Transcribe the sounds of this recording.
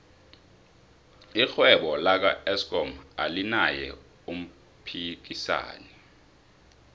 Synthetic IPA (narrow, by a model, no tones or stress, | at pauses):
ixwɛɓɔlak̬aɛskʼɔmalinajɛ̰ | um̩ | pʰik̬isa̰ːnɛ